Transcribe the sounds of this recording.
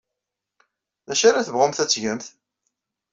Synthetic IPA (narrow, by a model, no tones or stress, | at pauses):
ðæʃaɾaθəvʁʊmθæt͡sːʝəmθ